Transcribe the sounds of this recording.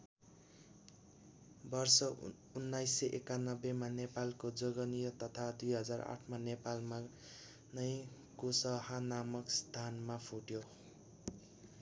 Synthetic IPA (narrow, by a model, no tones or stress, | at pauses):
bʌrsʌ | unːajsːʌʔekanʌbemanepalkod͡zoɡʌnijʌt̪ʌt̪ʰad̪ujɦʌd͡zara̰ʈʰmanepalma | nʌj | kosʌhanamʌkst̪ʰanmapʰuʈjo